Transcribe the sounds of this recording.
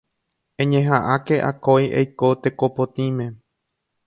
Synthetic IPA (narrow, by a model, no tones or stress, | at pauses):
ẽɲẽɦãʔake̞ʔa̰kojʔḛjkot̪e̞kopot̪ĩmẽ̞